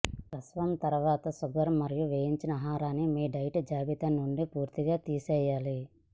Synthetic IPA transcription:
pɾɐsʋɐmt̪ɐɾuʋaːt̪ɐsuɡɐɾɐmːɐɾijuʋeːjiɲt͡ʃinɐɦaːɾaːnːimiːɖɐjʈd͡ʒaːbit̪ɐnːuɳɖipuːɾt̪iɡaːt̪iːsɛːjːaːli

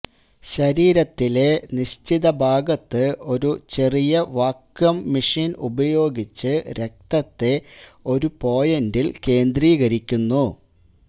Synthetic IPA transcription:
ɕɐɾiːɾɐt̪ːile̞niɕtiðɐbʱaːɡɐt̪ːɨo̞ɾut͡ɕe̞rijɐʋaːkjɐmːiʂiːnubɐjo̞ːɡit͡ɕːɨɾe̞k̚t̪ɐt̪ːe̞o̞ɾupo̞ːjɐndilke̞ːnd̪riːɣɐɾikʲːunːu

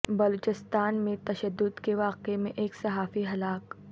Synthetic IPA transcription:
bɐloːt͡ʃɪst̪aːnmẽt̪ɐʃəd̪ːʊd̪keʋaːqemẽʔeːksɐɦaːfiɦɐlaːk

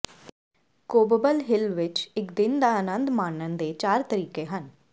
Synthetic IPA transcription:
koːbəbəlɦɪlʋɪt͡ʃɪkd̪ɪnd̪aːənə̃nd̪maːnːənd̪eːt͡ʃaːɾt̪əɾiːkeːɦən

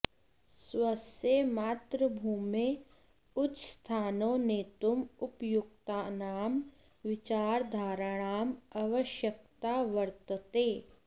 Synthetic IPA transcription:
sʋɐsemaːt̪ɾəbʱuːme | ʊt͡ʃst̪ʰaːnõːnet̪ʊmʊpjʊk̚t̪anaːm | ʋɪt͡ʃaːɾd̪ʱaːɾaɽ̃aːmɐʋəʃjək̚t̪aːʋəɾt̪ət̪eː

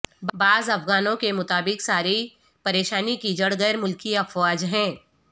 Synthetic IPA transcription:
baːzɐfɣaːnõkemʊt̪aːbɪksaːɾi | pɐɾeːʃaːnikid͡ʒɐɽɣəjɾmʊlkiɐfwaːd͡ʒɦɛ̃ː

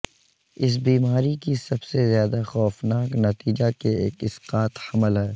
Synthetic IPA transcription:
ɪs̬biːmaːɾikisɐbsezjaːd̪axɔːfnaːknɐt̪iːd͡ʒakeeːkɪsqaːt̪hɐməlɦɛː

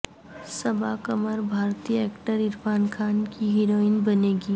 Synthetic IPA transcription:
sɐbakəməɾbʱaːɾt̪ijəeːkʈəɾɪɾfaːnkʰaːnkiɦɪɾoːɪnbɐneːɡiː

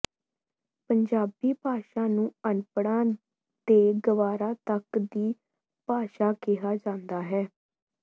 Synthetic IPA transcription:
pəɲd͡ʒaːbiːpaːʃãːnũːənpɽãː | d̪eːɡəʋaːɾãːt̪əkd̪iː | paːʃaːkɪɦaːd͡ʒãːnd̪aːɦɛː

